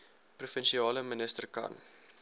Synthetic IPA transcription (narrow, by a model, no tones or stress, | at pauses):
prufɛnʃiɑːləmənəstərkɐ̰n